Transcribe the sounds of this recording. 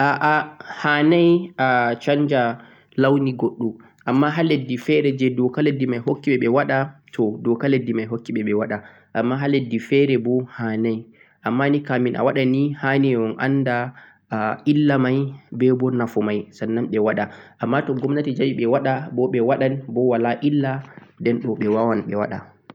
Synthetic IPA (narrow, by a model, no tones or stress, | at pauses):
ʔaʔahanajʔat͡ʃaɲd͡ʒa | lawniɡoɗːum | ʔamːaɦaledːifɛɾɛd͡ʒɛdɔkaledːimajhokːiɓɛɓɛwaɗatʰɔdɔkaledːimajɦokːiɓɛɓɛwaɗa | ʔamːaɦaledːifɛɾɛbɔhanaj | ʔamːanikaminʔa̰waɗanihanɛɔnʔa̰nda | ʔilːamajbɛbɔnafɔmajsanːamɓɛwaɗaʔamːatɔɡɔmnatid͡ʒawiɓɛwaɗabɔɓɛwaɗanbɔwalaʔilːadɛnɗɔɓɛwawanɓɛwa̰ɗa̰